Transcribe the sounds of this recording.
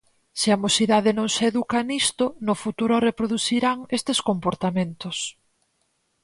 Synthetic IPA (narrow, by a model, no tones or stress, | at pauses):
sɪamosiðaðɪnõŋseeðukanist̪ʊnʊfut̪uɾʊrepɾoðuθiɾaŋest̪eskompoɾt̪amẽnt̪os